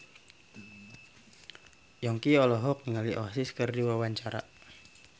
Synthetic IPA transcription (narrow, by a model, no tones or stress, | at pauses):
jɔŋkiɔlɔɦɔk̚niŋaliʔɔ̰asiskərdiwawaɲt͡ʃaɾa̰